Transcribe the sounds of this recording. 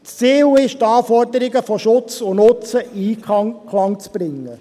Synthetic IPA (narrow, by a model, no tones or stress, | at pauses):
st͡siːwɪʃtɑːfɔɾdəɾɪɡəfɔʃʊt͡sʊnʊt͡səʔiːkkʰlɑŋt͡sb̥ɾɪŋːə